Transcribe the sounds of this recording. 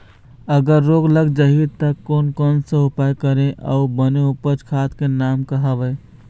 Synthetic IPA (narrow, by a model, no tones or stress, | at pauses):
əɡəɾːoɡləɡd͡ʒaɦit̪əkoːnkɔːnsẽɦʊpajkəɾẽʔə̰ubəneupət͡ʃkʰat̪kenaːmkəɦəbə